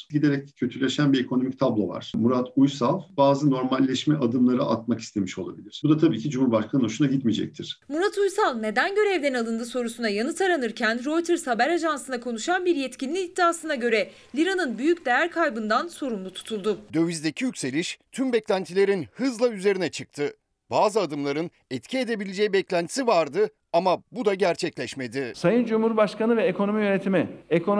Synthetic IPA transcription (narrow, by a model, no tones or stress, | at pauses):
ɟid̪eɾɛc̪̚ɛcʰøt̪ʰylʲeʃænbiekʰono̞mic̚t̪ʰablˠova̰ɾ̥muɾat̪ʰujsalˠbaːzɯno̞ɾmalʲːɛʃmɛʔad̪ɯmlˠaɾɯʔa̰t̪maki̥st̪ʰemiʃo̞lˠa̰bilʲiɾ̥bud̪at̪ʰabiːcʰid͡ʒumhuɾbaʃkʰanɯoʃunaɟit̪mid͡ʒɛ̰c̚t̪ʰiɾ̥muɾat̪ʰujsalˠne̞d̪ænɟø̞ɾɛvd̪ɛnalˠɯnd̪ɯso̞ɾusunajanɯt̪ʰaɾanɯɾcʰænɾo̞jt̪ʰɯɾshabæɾaʒansɯnakʰo̞nuʃanbiɾjɛt̪cinlʲiːd̪ːaːsɯnaɟø̞ɾɛ | lʲiɾanɯnbyjycd̪e̞jæɾkʰajbɯnd̪anso̞ɾumlˠut̪ʰu̥t̪ʰulˠd̪ʊd̪ø̞vizd̪ecʰijycʲse̞lʲiʃt̪ʰymbɛclʲænt̪ʰilʲe̞ɾinhɯzlˠayze̞ɾinɛt͡ʃʰɯk̚t̪ʰɯ | b̥aːzɯad̪ɯmlˠaɾɯn | ɛt̪cʰie̞d̪e̞bilʲed͡ʒejibɛclʲænt̪ʰi̥sivaɾd̪ɯ | amabud̪aɟæɾt͡ʃʰɛclʲɛʃme̞d̪ɪsajɯnd͡ʒumhuɾbaʃkanɯvɛekʰo̞no̞mijønet̪ʰimiekʰo